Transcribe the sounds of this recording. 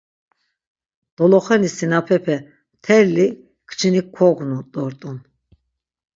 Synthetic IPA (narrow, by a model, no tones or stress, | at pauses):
d̪̥ɔlɔχɛnisinapʰɛpʰɛ | t̪ʰɛɾli | kʰt͡ʃʰinikʰɔɡnud̪ʼɔɾt̪ʼun